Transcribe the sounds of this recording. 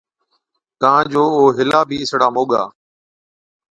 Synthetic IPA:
t̪aãːd͡ʒoːoːɦɪlaːbʱiːɪsɽaːmoːɠa̰ː

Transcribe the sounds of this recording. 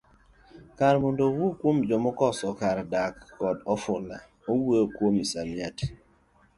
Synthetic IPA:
kaɾmɔndowokwomd͡ʒɔmɔkɔsɔkaɾdakːɔdɔfʊla | owekwomisamjat

